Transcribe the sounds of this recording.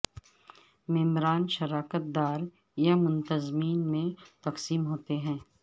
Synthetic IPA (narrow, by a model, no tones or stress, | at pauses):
mɪmɾaːnʃɐɾaːkət̪̚d̪aːɾ | jamʊ̃nt̪əzmiːnmẽt̪ɐqsiːmɦoːt̪eɦɛ̃ː